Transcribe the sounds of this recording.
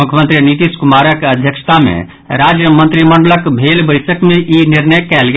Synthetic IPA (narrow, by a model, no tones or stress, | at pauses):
mukʰjəmənt̪ɾinit̪iskumaɾəkəd̪ʱjəkʃt̪ʰamḛ̃ | ɾad͡ʒjəmə̃nt̪ɾiməɳɖələkbʱelbəɪsəkmeʔiniɾnəjkɛlɡ